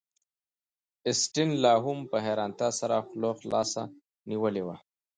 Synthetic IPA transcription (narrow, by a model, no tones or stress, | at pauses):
ɪsʈinlɑɦumpəɦeɾɑnt̪ɑsaɾaxloxlɑ̰sa | niwəlewa